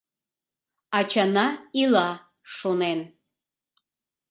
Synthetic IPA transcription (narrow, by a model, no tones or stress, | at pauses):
at͡ʃʰanaila | ʂonen